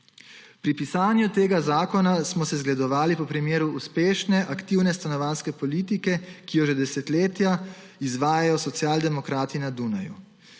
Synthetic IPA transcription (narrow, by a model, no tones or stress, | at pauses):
pɾipisaːnjut̪eːɡazaːkɔnasmɔsɛzɡlɛd̪ɔʋaːlipɔpɾimeːɾuːspeːʃnɛʔakt̪iwnɛst̪anɔʋaːnskɛpɔliːt̪ikɛkijɔʒɛd̪ɛsɛt̪leːt̪ja | izʋaːjajɔsɔt̪sijaːld̪ɛmɔkɾaːt̪inad̪unajṵ